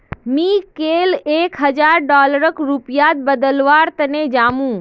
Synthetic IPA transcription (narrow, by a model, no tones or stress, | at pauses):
mĩːkeːleːkɦəd͡ʒaːɾɖɔːləɾəkɾupijaːt̪̚bəd̪əlʋaːɾt̪əned͡ʒaːmũː